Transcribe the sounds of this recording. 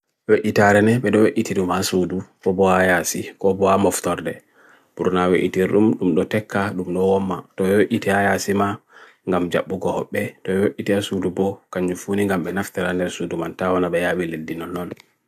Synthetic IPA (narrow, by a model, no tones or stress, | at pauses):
woʔitaɾɛnɛɓɛɗɔwoʔitiɗumhasudukɔbɔhajasikɔbɔhamɔftɔɾdɛ | b̥uɾnaweʔitiɾɗumɗumɗɔtɛkʰːaɗumɗɔwɔmːatɔɛwoʔitihajasima | ŋɡamd͡ʒa̰ɓːuɡɔhɔɓːɛtɔɛwoʔːitiasudubɔkaɲd͡ʒufuniŋɡamɓɛnaftɛɾandɛɾsudumantawanaɓɛjawiledinɔnːɔn